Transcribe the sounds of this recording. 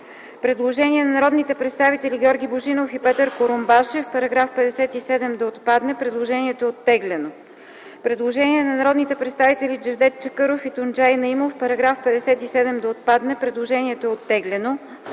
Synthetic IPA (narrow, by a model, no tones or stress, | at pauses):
pɾɛd̪lˠoʒɛniɛnɐnɐɾɔd̪nit̪ɛpɾɛt̪st̪avit̪ɛlʲiɡʲɔɾɡʲiboʒinofipɛt̪əɾkoɾombaʃɛfpɐɾɐɡɾafpɛd̪ɛsɛt̪isɛd̪ɛmd̪ɐot̪pad̪nɛpɾɛd̪lˠoʒɛniɛt̪oɛot̪ːɛɡlɛno | pɾɛd̪lˠoʒɛniɛnɐnɐɾɔd̪nit̪ɛpɾɛt̪st̪avit̪ɛlʲid͡ʒɛvd̪ɛt̪̚t͡ʃəkɤɾofit̪ond͡ʒajnɐimofpɐɾɐɡɾafpɛd̪ɛsɛt̪isɛd̪ɛmd̪ɐot̪̚pad̪nɛpɾɛd̪lˠoʒɛnʲiɛt̪oɛot̪ːɛɡlɛno